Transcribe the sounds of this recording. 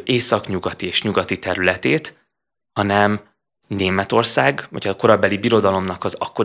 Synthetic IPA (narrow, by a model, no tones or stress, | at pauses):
ʔeːsɒkɲuɡɒt̪ieːʃɲuɡɒt̪it̪ɛɾylɛt̪eːt̪ | hɒnɛm | neːmɛt̪o̞rsaːɡʋɒ̰cɒko̞ɾɒbɛlibiɾo̞d̪ɒlo̞mnɒkɒzɒkːo̞